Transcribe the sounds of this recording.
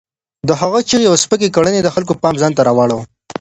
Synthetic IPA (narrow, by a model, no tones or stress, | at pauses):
d̪əɦaɣat͡ʃiɾjawspək̬ekaɽəned̪əxalk̬opɑmzɑnt̪aɾɑwɑɽəw